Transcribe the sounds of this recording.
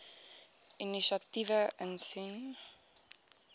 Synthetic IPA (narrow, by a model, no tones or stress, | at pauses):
iniʃativəʔənsin